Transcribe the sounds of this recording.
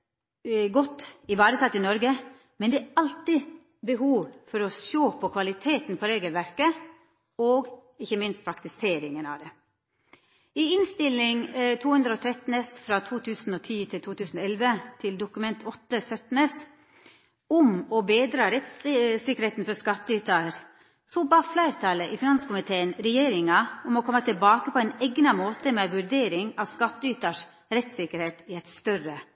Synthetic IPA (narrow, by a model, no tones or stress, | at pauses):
ɡɔt̪ɪbɑːɾəsʰɑt̪ːɪnɔɾɡə | mɛnd̪ɛɑlt̪ɪ | bəɦuːʋfɔɾɔʃoːpʰɔkʰʋɑlɪt̪ʰeːt̪n̩pʰɔɾeːɡəlʋæɾkə | oːɡɪçːəmɪnst̪̚pʰɾɑkt̪ɪseːɾɪŋənɑ̰ʋd̪ɛ | ɪɪnst̪ɪlːɪŋt̪ʰuːhʉnd̪ɾəoːt̪ʰɾɛt̪n̩ɛsfɾɑt̪ʰuːt̪ʰʉːsn̩oːt̪ʰiːt̪ʰɪlt̪ʰuːt̪ʰʉːsn̩oɛlʋət̪ʰɪld̪ʊkʉmɛnt̪ʰɔt̪ːəsœt̪nəs | ʊmɔbeːd̪ɾɑːɾɛt̪ssɪkəɾheːt̪n̩fɔskɑt̪ːəyːt̪ɑɾ | sobɑːflæɪɾt̪ʰɑləʔɪfɪnɑnsə̥kʊmɪt̪ʰeːənɾɛjeːɾɪŋɑʊmɔkʰɔmːət̪ʰɪlbɑːkəpʰɔɛnɛɡnɑmoːt̪əmeʋʉɾd̪eːɾɪŋɑʋskɑt̪ːəyːt̪ɑʂ | ɾɛt̪sɪkəɾheːt̪ɪɛt̪st̪œɾə